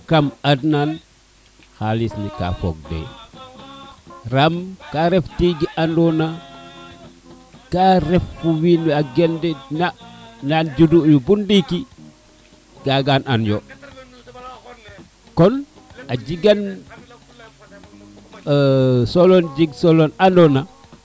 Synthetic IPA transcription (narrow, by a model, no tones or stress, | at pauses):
kamadnan | xalisnika̰fo̰ɡ̚dḛ | ɾamkaɾɛftiɡiʔandɔna | kaɾɛfːuwiniaɡɛndɛnanand͡ʒudujubundiki | ɡaɡananjo | kɔn | ad͡ʒiɡan | solond͡ʒiɡsolonandɔna